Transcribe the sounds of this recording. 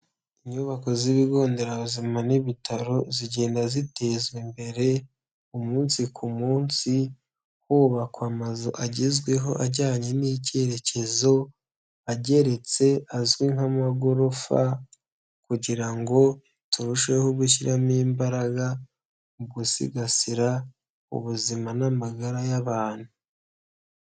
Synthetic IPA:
iɲuβako̞ziβiɡo̞ːnde̞ɾaβuzimaniβitʰaɾo̞ziɟe̞ːndazite̞zwembe̞ɾe̞ | umuːnsikʰumuːnsi | huːβakoamazuʔaɟezɡwe̞ɦo̞ʔaɾɟaːɲe̞niceɾe̞ce̞zo̞ | aɟe̞ɾe̞t͡se̞azwiŋhamaɡo̞ɾo̞fa̰ | kuɟiɾaŋɡo̞ | tuɾuʃwe̞hobɡuʃiɾamiːmbaɾaɡa | ubɡusḭɡasiɾa | ṵβuzimanamaɡaɾajaβaːn̥hu

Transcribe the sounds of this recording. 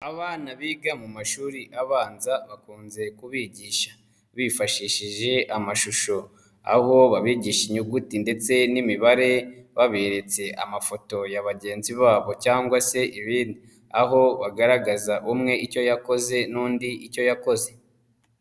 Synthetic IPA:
aβaːnaβiɡamumaʃuːɾiʔaβaːnzaβakuːnze̞kuβiɟiːʃḁ | βifaʃiʃiʒe̞ʔamaʃuʃo̞ | a̰ho̞βaβiːɟiʃiɲuɡutinde̞t͡se̞nimiβaɾe̞βaβeɾe̞t͡se̞ʔa̰mafo̞to̞jaβaɟe̞ːnziβaːβo̞caːŋɡwase̞ʔiβiːndi | aɦo̞βaɡaɾaɡazaʔumŋe̞ico̞jako̞ze̞nuːndiʔico̞jako̞ze̞

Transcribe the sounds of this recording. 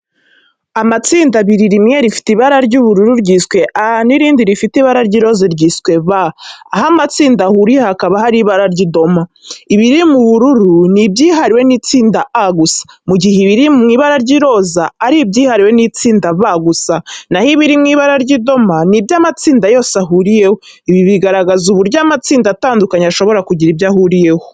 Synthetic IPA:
amat͡siːndaβiɾiɾimŋeɾifi̥tiβaɾaɾɟuβuɾuɾuɾɟiːskwe̞ʔaniɾiːndiɾifitiβaɾaɾɟiɾo̞ziɾɟiskwe̞βaːhamat͡siːndahuɾihhakaβaɦaɾiβaɾaɾɟido̞maiβiɾimuβuɾuɾunibɟiːɦaɾiwenit͡siːndaaɡusḁ | muɟiheβiɾimŋiːβaɾaɾɟiɾo̞zaːɾibɟiːhaɾiwe̞nit͡siːndaβaɡusanahiβiɾimŋiːβaɾaɾɟido̞manibjaːmat͡siːndajo̞ːsaɦuɾije̞hoiβiβiɡaɾaɡazuβuɾɟaːmat͡siːndataːndukaɲaʃo̞βo̞ɾakuɟiɾibjahuɾije̞ho

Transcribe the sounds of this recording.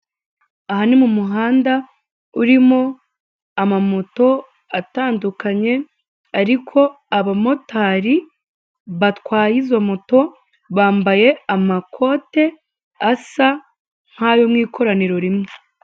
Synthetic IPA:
ahanimumuɦaːnda | uɾimo̞ | amamo̞to̞ | ataːndukaɲe̞ | aɾikʰo̞ | aβamo̞taːɾi | βatkwaːjizwamo̞to̞ | βaːmbaje̞amakʰo̞te̞ | asa | ŋ̥hajo̞mŋiːkʰo̞ɾaniɾo̞ɾimŋo

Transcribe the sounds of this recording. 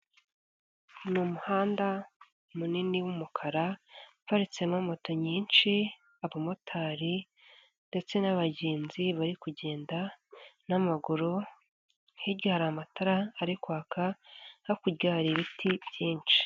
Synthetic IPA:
numuhaːnda | muniniwumukʰaɾaβaɾit͡se̞momo̞to̞ɲiːnt͡ʃi | aβomotʰaːɾi | nde̞t͡se̞naβaɟeːnziβaɾikuɟe̞ːndanamaɡuɾo | heɟihaɾamataɾaːɾikwaːkʰahakuɾɟaːɾiβitʰibjiːnt͡ʃi̥

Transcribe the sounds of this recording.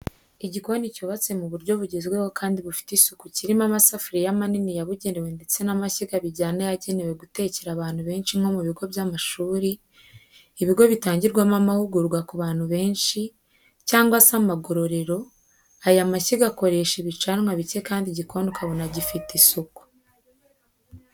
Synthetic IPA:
iɟiko̞nicuβat͡se̞muβuɾɟo̞βuɟezɡwewokaːndiβufi̥tisukuciɾimamasafuɾijamaninijaβuɟe̞newe̞nde̞t͡se̞namaciɡaβiɟaːnajaɟe̞newe̞ɡute̞ːceɾaβaːn̥huβe̞ːnʃimho̞muβiɡo̞βjamaʃuːɾiː | βiɡo̞βitaːɲɟiɾɡwamamahuɡuɾɡwakuβaːnhuβe̞ːnʃi | caːŋɡwasamaɡo̞ɾo̞ɾe̞ɾo̞ | ajamaciɡako̞ɾe̞ːʃeβit͡ʃanmwaβice̞kaːndiɟikʰo̞ːndokʰaβonaɟifitisoku̥

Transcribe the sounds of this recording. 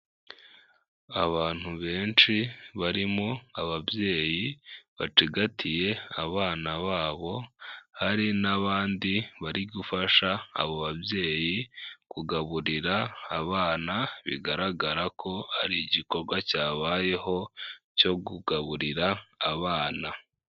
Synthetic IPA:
aβaːn̥huβe̞ːnʃiβaɾimoaβaβje̞ːjiβa̰t͡ʃiɡatʰije̞aβaːnaβaːβo̞haɾinaβaːndiβaɾiɡufaʃa̰ːβoβabje̞ːjikuɡaβuɾiɾaːβaːnaβḭɡaɾaɡaɾakʰo̞haɾiːɟiko̞ɾɡwacaːβaːje̞ho̞co̞ɡuɡaβuɾiɾaːβaːna

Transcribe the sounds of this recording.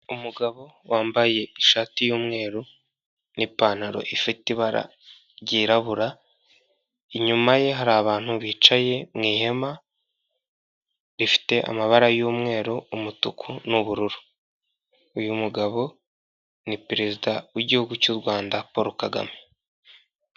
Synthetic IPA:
umuɡaβo̞ | waːmbaje̞iʃaːtijoːmŋe̞ːɾo | nipaːn̥aɾo̞̰ʔifitiβaɾa̰ | ɾɟiːɾaβuɾa | iɲumaje̞ɦaɾaːβaːn̥huβiːt͡ʃaje̞mŋiːhe̞ma | ɾifi̥te̞ʔa̰maβaɾajuːmŋe̞ːɾoumutukʰunuβuɾuɾu̥ | ujumuɡaβo̞ | nipɾe̞zidawiɟihuɡucuɾɡwaːndapo̞ɾokaɡa̰me

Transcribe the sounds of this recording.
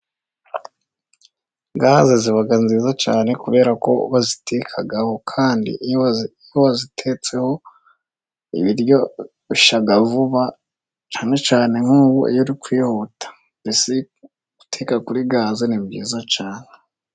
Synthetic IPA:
ɡaːzeziβaɡanziːzat͡ʃaːne̞kuβe̞ːɾako̞̰βazitekʰaɡaho̞kʰaːndḭ | uβazitʰet͡se̞ho̞ | ḭβiɾjo̞ | iʃaɡavuβa | t͡ʃaːne̞t͡ʃaːne̞ŋ̥uːβuḭjoɾikwiːhotʰḁ | mbisi | ɡ̥utʰekakuɾiɡaːzenimɡiːzat͡ʃaːne

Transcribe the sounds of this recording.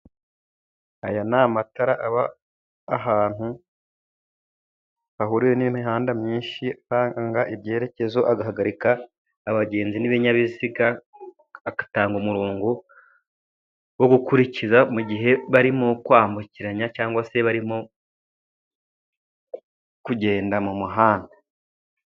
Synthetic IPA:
ajanaːmataɾaʔaβaː | ɦaːn̥hu | haɦuɾiweniiːmiɦaːndamɲiːnʃiahaːŋɡaŋɡaʔibje̞ːɾe̞ce̞zo̞ʔaɡaɦaɡaɾikaː | βaɟe̞ːnziniβeɲaβiziɡaː | kḁtaːŋɡumuɾoːŋɡo | wo̞ɡukuɾicizamuɟiɦe̞βaɾimokwaːmbuciɾaɲacaːŋɡwase̞βaɾimo | kuɟe̞ːndamumuɦaːnda

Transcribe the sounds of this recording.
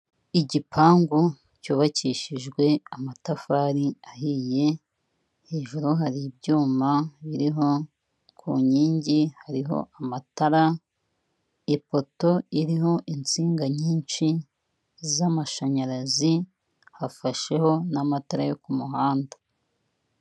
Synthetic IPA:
iɟipʰaːŋɡu | cuːβaciːʃiʒɡwe̞amatafaːɾiahije̞ | heːʒuɾuɦaɾib̚ɟuːmaβiɾiɦo̞ | kʰṵɲiːɲɟihaɾiɦo̞̰ʔamataɾa | ipo̞to̞iɾiho̞ʔint͡siːŋɡaɲiːnʃi | zamaʃaɲaɾazi | hafaʃe̞ho̞namataɾajo̞kumuhaːndḁ

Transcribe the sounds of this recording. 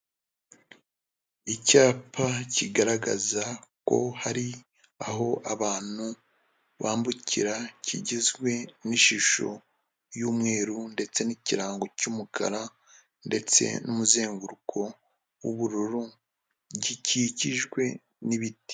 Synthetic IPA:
icaːpʰaciɡaɾaɡa̰zako̞̰haɾi | aɦo̞ʔaβaːn̥hu | βaːmbucʰḭɾacʰḭɟizɡwe̞niʃiʃo̞̰ | juːmŋe̞ːɾunde̞t͡se̞niciɾaːŋɡo̞cuːmukʰa̰ɾa | nde̞t͡se̞̰numuze̞ːŋɡuɾukʰo̞ | wṵβuɾuɾu | ɟiciciʒɡwe̞ | niβiti̥

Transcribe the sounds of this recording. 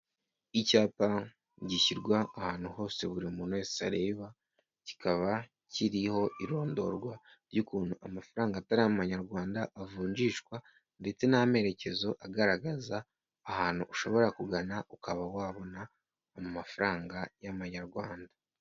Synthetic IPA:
icaːpa | ɟiçiɾɡwaːhaːn̥huho̞ːse̞βuɾiumuːnessa̰ɾe̞βa | ci̥kʰaβa | ciɾiho̞ʔiɾo̞ːndo̞̰ɾɡwa | ɾɟukuːnhuʔamafaɾaːŋɡaːtaɾijamumaɲaɾɡwaːndaʔːvuːɲd͡ʒiːʃkwa | nde̞t͡se̞name̞ɾe̞ce̞zo̞ʔaɡaɾaɡazaː | haːn̥huʔːʃo̞βo̞ɾakuɡanaʔukʰaβawaːβo̞naː | mumafaɾaːŋɡajaβaɲaɾɡwaːnda

